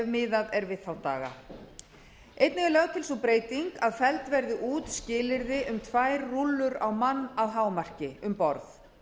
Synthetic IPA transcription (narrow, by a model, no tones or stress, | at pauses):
vmɪːðaðɛɾvɪðθawt̪a̰ːɣa̰ | ejt̪nɛɣlœɣt̪ʰɪlsɔpɾeːjt̪iŋkaðfɛlt̪vɛɾðɪʔuːt̪scɪːlɪɾðɪʔʏmt̪ʰvajɾːulːʏɾawmanːawɦaːwmar̥cɪʏmpɔɾθ